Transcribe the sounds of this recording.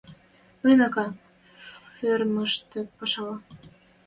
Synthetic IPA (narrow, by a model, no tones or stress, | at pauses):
ɯjnɑkɑ | førməʃt̪ĕpɑʃɑlɑ